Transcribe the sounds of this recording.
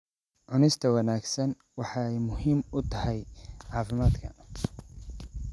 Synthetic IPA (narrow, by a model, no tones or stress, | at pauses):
ʕʊnɪst̪ʰɐwɑnaːɡsɐn | wɑħɑɛjmʊhiːmʊt̪ʰɐhɛjʕɑːfɪmaːd̪kʰɐ̰